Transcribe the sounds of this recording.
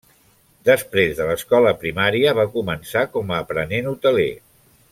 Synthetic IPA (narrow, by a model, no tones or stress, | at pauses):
d̪əspɾezðələskɔləpɾimaɾiəβakumənsakɔməːpɾənenut̪əlḛ